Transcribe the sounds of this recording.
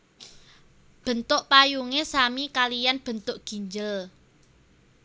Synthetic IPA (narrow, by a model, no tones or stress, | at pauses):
b̥ə̤nt̪ʊʔpajuŋesamikalijanb̥ə̤nt̪ʊʔɡ̥i̤ɲd͡ʒəl